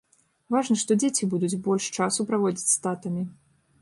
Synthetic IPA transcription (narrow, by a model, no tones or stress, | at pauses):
vaʐnɐʂt̪ɔd͡zʲet͡sʲibud̪ud͡zʲbɔlʲʂt͡ʂasupɾavɔd͡zʲit͡sʲst̪at̪ɐmʲi